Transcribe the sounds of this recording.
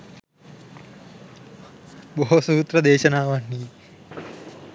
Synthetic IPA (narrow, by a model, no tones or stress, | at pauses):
boɦosuːt̪rɐd̪eːʃɐnaːʋanːiː